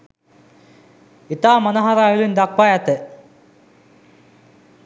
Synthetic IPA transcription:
it̪aːmɐnɐɦɐɾaːjilind̪ak̚pajat̪e

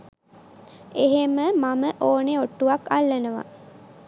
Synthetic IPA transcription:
eɦeməmaməʔoːneoʈːuʋakalːənəʋa̰

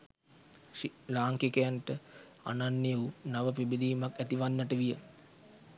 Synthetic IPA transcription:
ilaːŋkekəjanʈə | a̰nanːijəunaʋəpibid̪iːmakæt̪iʋanːəʈəʋijə

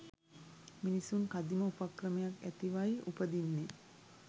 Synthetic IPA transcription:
minisunkad̪iməupakrəmejakæt̪iʋajiʔupəd̪inːe

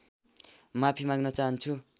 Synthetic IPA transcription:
mapʰimaɡnʌt͡saɦʌnt͡sʰu

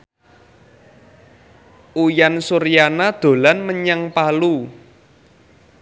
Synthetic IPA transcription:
ʔujansuɾijanad̪̥o̤lanməɲaŋpalu

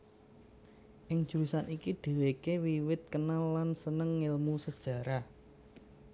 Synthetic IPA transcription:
ʔɪŋ̥ʒ̥uɾisanikiɖ̪̥e̤wekewiwɪt̪̚kənalːansənəŋːɪlmusəd̥ʒ̥ä̤ɾa

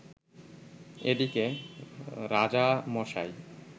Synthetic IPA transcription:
edike | ɾad͡ʑamɔʃa̰j

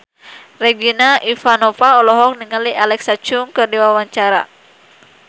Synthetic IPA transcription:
rɛɡinaʔifanɔfaɔlɔɦɔk̚niŋaliʔalɛksat͡ʃuŋkɨrdiwawaɲt͡ʃaɾa̰

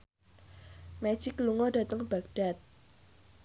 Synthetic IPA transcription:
me̥ʒ̥ikːluŋɔda̤t̪əŋb̥a̤k̚ɖ̥at̪̚

